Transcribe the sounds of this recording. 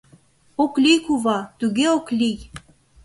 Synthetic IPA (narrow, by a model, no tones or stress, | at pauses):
oklijkuβɑt̪yɣeoklʲij